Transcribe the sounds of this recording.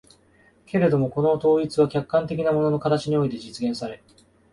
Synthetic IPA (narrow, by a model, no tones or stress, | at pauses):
ke̞ɾe̞d̪o̞mo̞ko̞no̞t̪o̞ːit͡sɨβakʲakːãnt̪e̞kʲinamo̞no̞no̞kat̪at͡ɕiɲ̟io̞it̪e̞d͡ʑit͡sɨɡẽ̞ɰ̃saɾe̞